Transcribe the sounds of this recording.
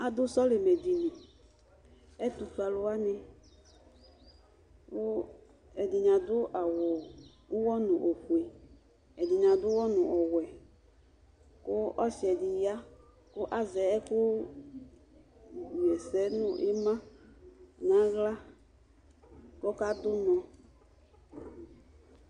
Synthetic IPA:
a˨d̪ʊ˦sɔ˦lɪ˨mɛ˨di˨nĩ˨ | ɛ˦t̪u˨tu˨˦a˨lʊ˦a˦nɪ̃˦ | ʊ˦ | ɛ˨dɪ˨ɲã˨d̪ʊ˦ʔa˨wɔ˨ | ʊ˦wɔ˦nʊ̃˨ʔo˨ku˨e˨ | ɛ˨dɪ˨ɲã˨dʊ˦wɔ˦nʊ̃˨ʔɔ˨wɛ˨ | kʊ˦ɔ˦ʃɛ˨dɪ˨ja˦ | kʊ˦ʔa˦zɛ˨˦ɛ˦kʊ˦ | u˨ɛ˨sɛ˨˦nʊ̃˦ʔɪ˦mã˦˨ | nã˨˦ɣla˦ | kɔ˦ka˦d̪ʊ˦nɔ̃˨

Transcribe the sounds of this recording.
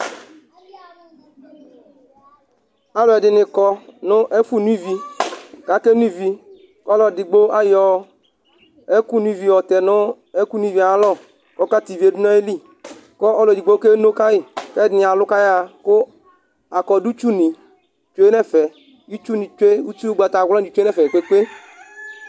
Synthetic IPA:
a˦lɔ˨ɛ˨dɪ˨nɪ˨kɔ˧nʊ˦ʔe˦fu˦nũ˦i˦vi˧ka˨˦ke˦nu˦˨vi˧ | kɔ˦lɔ˨ɛ˨dɪ˨ɡ͡bo˦ʔa˦jɔ˨ | e˦ku˦nũ˦i˦vi˨wɔ˨t̪ɛ˨nʊ˦ | e˦ku˦nũ˦i˦vi˨a˨˦lɔ˦˨ | kɔ˨˦ka˦t̪i˨vi˨˦e˦dʊ˦nɔ̃˦e˦li˦˨ | kɔ˦ʔɔ˦ldi˨ɡ͡bo˦ke˦no˦ka˦ɪ˨kɛ˦nɪ˨a˨lʊ˦ka˦ja˨kʊ˦ | a˨kɔ˨du˦t͡ʃu˦nĩ˨ | t͡ʃe˦e˦nɛ˦˨fɛ˨ | i˦t͡ʃu˦nĩ˨t͡ʃe˦u˦t͡ʃu˦ɡ͡ba˨t̪a˨ɣli˨˦t͡ʃɛ˦fɛ˨k͡pe˦k͡pe˦

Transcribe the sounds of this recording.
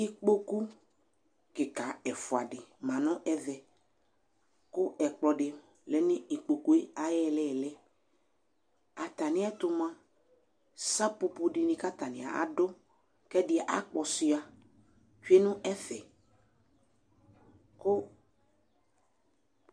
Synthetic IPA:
i˦k͡po˦ku˦ | kɪ˨ka˨ɛ˨fʊ˨a˨dɪ˨mã˨nɔ̃˦ʔɛ˦vɛ˨ | kʊ˦ɛ˨k͡plɔ˨dɪ˨ | lɛ˨nɪ̃˦i˨k͡po˨ku˦e˦a˨jɛ˦˨lɛ˦˨lɛ˦ | a˨t̪a˨nɪ̃˦ɛ˦t̪ʊ˨mã˦ | sa˦pʊ˨pʊ˦dɪ˨nɪ̃˨ka˦t̪a˨nɪ̰̃˨a̰˨a̰˨dʊ˦ | kɛ˦dɪ˨a˨ʔa̰˦k͡pɔ˨si˨a˨ | t͡ʃe˦nʊ̃˦ɛ˦fɛ˨ | kʊ˦

